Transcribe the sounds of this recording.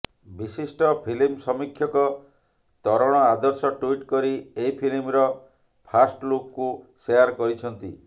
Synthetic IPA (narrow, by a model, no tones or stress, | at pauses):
bisisʈɔpʰilimsɔmikʰːjɔkɔ | t̪ɔɾɔɽ̃ɔad̪ɔɾsɔʈuiʈkɔɾieipʰilimɾɔ | pʰasʈlokkuseaɾkɔɾit͡ʃʰɔnt̪i